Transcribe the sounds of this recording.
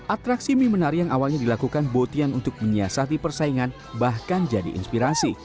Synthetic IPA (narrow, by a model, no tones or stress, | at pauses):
ʔat̪ɾaksimimənaɾijaŋawalɲadilakukanbot̪ianunt̪ʊk̚məɲiasat̪ipərsaiŋan | bahkand͡ʒadḭʔḭnspiɾasi